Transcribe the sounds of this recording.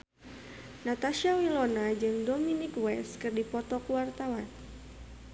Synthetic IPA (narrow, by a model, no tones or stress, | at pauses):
nat̪aʃawilonad͡ʒɨŋdominikwɛskɨrdipɔt̪ɔkuwart̪awan